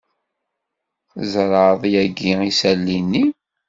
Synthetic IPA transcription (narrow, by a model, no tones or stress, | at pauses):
zɾˤəðˤjæɡiisælːinːi